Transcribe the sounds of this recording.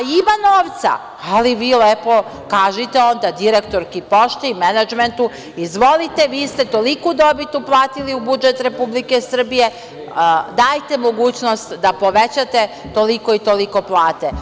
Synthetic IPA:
imano̞ːʋt̪sa̰ | aliʋiːlepo̞ | kaːʒit̪eo̞nd̪ad̪iɾekt̪o̞ɾkipo̞ʃt̪emenad͡ʒment̪u | izʋo̞lit̪eʋiːst̪e̞t̪o̞likud̪o̞bit̪uplˠaːt̪iliubud͡ʒet̪ɾe̞publikesr̩bije̞ | d̪aːjt̪e̞mo̞ɡuːt͡ɕnost̪d̪apo̞ʋet͡ɕat̪e | t̪o̞liko̞it̪oliko̞plˠaːt̪e

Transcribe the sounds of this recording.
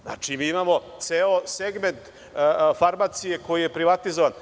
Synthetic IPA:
zna̰t͡ʃimiːimamo̞t̪seoseɡme̞nt̪ | faɾmat̪sije̞ko̞jijepɾiʋat̪izoʋan

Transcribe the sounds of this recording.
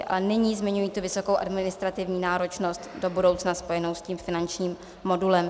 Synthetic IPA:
ʔa̰lɛnɪɲiːzmɪɲujiːt̪uvɪso̞kowʔa̰dmɪnɪst̪ɾat̪ɪvɲiːnaːɾo̞t͡ʃno̞st̪do̞budo̞wt͡snaspo̞jɛno̞wsciːmfɪnant͡ʃɲiːmː | o̞dulɛm

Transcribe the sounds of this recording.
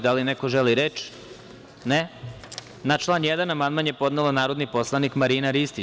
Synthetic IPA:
d̪alinekoʒeliɾet͡ʃ | ne | nat͡ʃlˠaːnjed̪anamand̪manjepo̞d̪nelanaːɾo̞d̪nipo̞slˠanikmaɾiːnaɾist̪i

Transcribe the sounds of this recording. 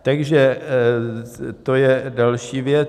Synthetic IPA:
t̪aɡʒɛ | t̪ojɛdalʃiːvjɛ

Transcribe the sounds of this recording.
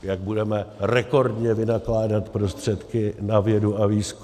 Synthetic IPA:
jaɡ̚budɛmɛrɛko̞ɾdɲɛvɪnaklaːdat̪pɾo̞st̪r̝̥ɛt̪kɪnavjɛduaviːsk

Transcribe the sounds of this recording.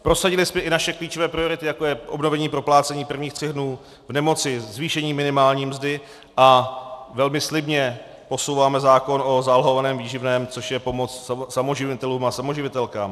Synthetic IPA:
pɾo̞saɟɪlɪsmɛʔɪnaʃɛkliːt͡ʃo̞vɛːpɾɪo̞ɾɪt̪ɪjako̞jɛʔo̞bno̞vɛɲiːpɾo̞plaːt͡sɛɲiːpr̩vɲiːxt̪r̥ɛɣdnuː | vnɛmo̞t͡sɪzviːʃɛɲiːmɪnɪmaːlɲiːmzdɪ | ʔavɛlmɪslɪbɲɛ | po̞sowvaːmɛzaːko̞no̞zalɦo̞vanɛːmviːʒɪvnɛːmt͡so̞ʃjɛpo̞mot͡sssamoʒɪvɪt̪ɛluːmasamo̞ʒɪvɪt̪ɛlkaːm

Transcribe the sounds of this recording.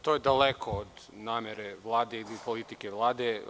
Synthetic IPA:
t̪ojed̪alekʰood̪naːmʲeɾeʋlˠaːd̪eilipolit̪ikeʋlˠaːd̪e

